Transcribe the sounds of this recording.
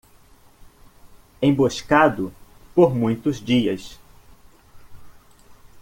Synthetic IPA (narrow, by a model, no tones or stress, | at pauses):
ẽj̃boʃkad̪ʊ | poɾmũj̃t̪ʊzd͡ʒiɐs